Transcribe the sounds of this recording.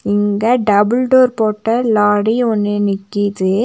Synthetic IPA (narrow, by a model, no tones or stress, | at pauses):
ɪŋɡɐɖɐbɪlɖoːɾpoːʈːɐlaːɽiɔnːɯnɪkːɪðɯ